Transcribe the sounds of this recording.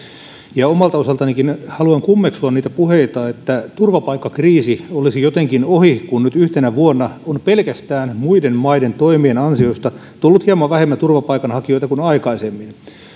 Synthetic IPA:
jɑomɑlt̪ɑosɑlt̪ɑnikinhɑluɑŋkumːeksuɑnniːt̪æpuheit̪ɑet̪ːæt̪urʋɑpɑikːɑkriːsiolisijot̪eŋkinohikunnyt̪yht̪enæʋuonːɑonpelkæst̪æːnmuidenmɑident̪oimienɑnsiost̪ɑ | t̪ulːut̪hiɑmɑʋʋæhemːæt̪urʋɑpɑikɑnhɑkio̞it̪ɑkunɑikɑisemːin

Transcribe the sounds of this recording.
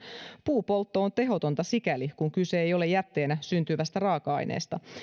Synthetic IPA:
puːpo̞lt̪ːoont̪e̞ɦo̞t̪o̞nt̪ɑsikælikuŋkyse̞ejo̞le̞jæt̪ːe̞ːnæsynt̪yʋæst̪ærɑːkɑɑ̰jnʔḛːst̪ɑ

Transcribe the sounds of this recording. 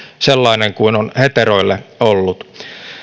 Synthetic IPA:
selːɑineŋkuinonhet̪eroilːeolːut̪

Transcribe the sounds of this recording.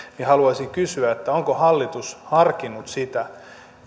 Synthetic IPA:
nihɑluɑisiŋkysyæet̪ːæoŋkohɑlːit̪ushɑrkinːut̪sit̪æ

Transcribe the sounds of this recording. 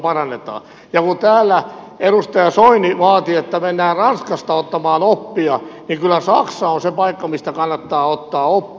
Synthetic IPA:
pɑrɑnːet̪ɑ̰ː | jɑkunt̪æːlːæ | eɾust̪ɑjɑsoiniʋɑːt̪iet̪ːæmenːæːrɑnskɑst̪ɑot̪ːɑmɑːnopːiɑnikylːˑæsɑksɑonsepɑikːɑmist̪ækɑnːɑt̪ːɑːot̪ːɑːopː

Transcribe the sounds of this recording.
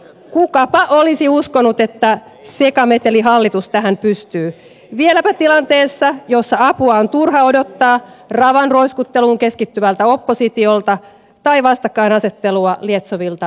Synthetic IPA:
kukɑpɑʔolisiuskonut̪e̞t̪ːæ | se̞kɑmet̪eliɦɑlːit̪ust̪æɦæmpyst̪yː | ʋielæpæt̪ilɑnt̪e̞ːsːɑjo̞sːɑɑpuɑont̪urɦɑo̞do̞t̪ːɑːrɑʋɑnro̞iskut̪ːe̞luːŋke̞skit̪ːymælt̪æo̞pːo̞sit̪io̞lt̪ɑ | t̪ɑiʋɑst̪ɑkːɑinɑse̞t̪ːe̞luɑliet̪soʋilt̪ɑ

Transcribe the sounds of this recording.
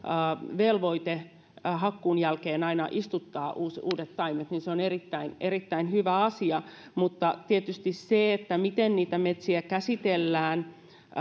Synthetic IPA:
ʋelʋoit̪e | ɦɑkːuːnjælkeːnɑinɑʔist̪ut̪ːɑːʔuːsuːdet̪tɑimet̪ninseonerit̪ːæineɾit̪ːæinhyʋæɑsiɑ | mut̪ːɑt̪iet̪yst̪isseet̪ːæmit̪enniːt̪æmet̪siækæsit̪elːæːn

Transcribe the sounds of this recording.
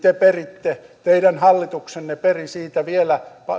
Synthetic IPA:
t̪eperit̪ːet̪eiɾænhɑlːit̪uksenːeperisiːt̪æʋielæpɑ

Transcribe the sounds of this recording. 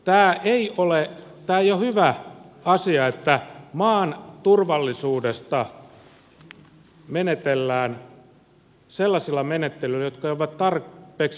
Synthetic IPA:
t̪æːeiole | t̪æːojohyʋæɑsiɑet̪ːæmɑːnt̪urʋɑlːisuːdest̪ɑ | menet̪elːæːn | selːɑsilːɑmenet̪ːelylːæjot̪kɑjoʋɑt̪t̪ɑrpːeːks

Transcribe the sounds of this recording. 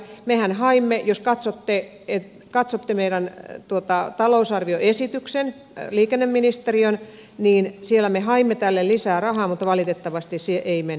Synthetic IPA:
mehænhɑimːejoskɑt̪sot̪ːe | et̪ | kɑt̪sot̪ːemeiɾænt̪uot̪ɑt̪ɑlousɑrʋioesit̪yksen | liːkenːemminist̪erion | niːnsielæmehɑimːet̪ælːellisæːrɑhɑːmut̪ːʋɑlit̪et̪ːɑʋɑst̪issieʔeimen

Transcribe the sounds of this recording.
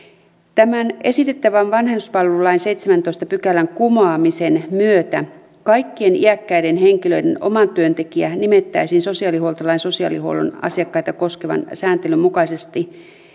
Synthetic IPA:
t̪æmæne̞sit̪et̪ːæʋænʋɑnɦend̪uspɑlʋulːɑinsejt̪semænt̪o̞ist̪ɑpykælæŋkumɑːmise̞nmyøt̪æ | kɑjkːie̞nḭækːæide̞nɦe̞ŋkilø̞ide̞̰no̰mɑnt̪yønt̪e̞kiænimet̪ːæisinso̞siɑːlihuolt̪ɑlɑinso̞siɑ̰ːliho̰lo̰nɑ̰siɑkːɑit̪ɑko̞skeʋɑ̰nsæːnt̪elymmukɑisest̪i

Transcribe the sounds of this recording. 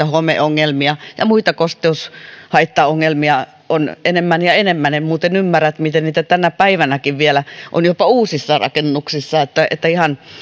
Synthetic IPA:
ɑhomḛoŋːelmiɑjɑ̰muit̪ɑkost̪eushɑit̪ːɑːoŋːelmiɑ | onenemːænjɑenemːænemmuːt̪enymːæræt̪mit̪enniːt̪æt̪ænæpæiʋænækiʋʋielæʔo̰njopɑuːsisːɑrɑ̰kenːuksisːɑet̪ːæḛt̪ːæihɑn

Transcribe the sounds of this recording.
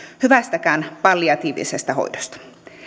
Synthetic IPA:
hyʋæst̪ækæːnpɑlːiɑt̪iːʋḭsest̪æho̰idost̪ɑ̥

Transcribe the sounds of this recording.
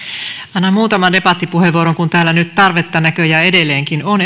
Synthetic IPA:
ɑnːɑmmuːt̪ɑmɑndepɑt̪ːipuheʋuoɾoŋkunt̪æːlːænyt̪t̪ɑrʋet̪ːɑnækøjæe̞delːˑeːŋkinon

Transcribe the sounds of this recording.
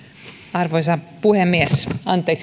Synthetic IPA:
ɑrʋoisɑpuhemːiesɑnt̪ːˑeːk

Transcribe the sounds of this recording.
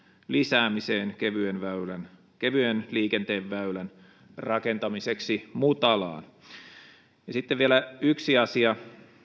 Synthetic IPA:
lisæːmiseːnkeʋyenʋæylæn | keʋyenliːkent̪eːʋʋæylæn | rɑke̞nt̪ɑmiseksimut̪ɑlɑ̰ːn | jɑsit̪ːeʋʋielæyksiɑsiɑ

